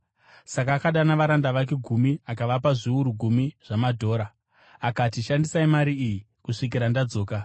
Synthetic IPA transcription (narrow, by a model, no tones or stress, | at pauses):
sakaːkaɗanaʋaɾandaʋak̬e̞ɡʱumiakaʋapaʐiuɾuɡʱumiʐ̥amadʱo̞ːɾaː | katiʃandisaimaɾiːji | kuʂik̬iɾandad͡zo̞ːka